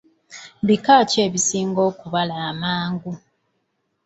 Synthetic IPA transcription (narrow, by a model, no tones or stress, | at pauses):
βikaːce̞ːβisiːŋɡo̞ːkuβalaːmaːŋɡu